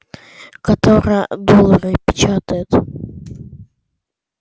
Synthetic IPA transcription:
kɐt̪oɾəjəd̪olˠəɾɨpʲɪ̥t͡ɕat̪əjʊt̪

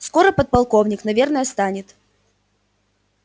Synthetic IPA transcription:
sko̞ɾəpət̪̚pɐlˠko̞vnʲɪknɐvʲernəjəst̪anʲɪt̪

